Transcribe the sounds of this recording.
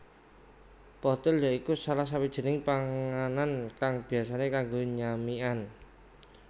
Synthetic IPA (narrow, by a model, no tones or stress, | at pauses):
pɔt̪ɪljɔikusalahs̬awid̥ʒ̥ə̤nɪŋpaŋanankaŋb̥i̤as̬anekaŋɡoɲamian